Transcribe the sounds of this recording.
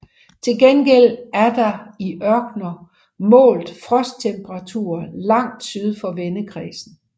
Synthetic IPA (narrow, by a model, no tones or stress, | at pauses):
t͡sʰe̝lɡ̥enɡ̥el̰æɐd̥ɑ̈iʔɶɐɡ̥nɐ | mɔ̰̽ːld̩ˠfʁɒ̽sd̥̚t͡sʰemb̥ʰəʁɑ̈t͡sʰṵɐlɑ̈ŋ̰d̥syð̞ˠfɒ̽ʋenəkʰʁḭːsn̩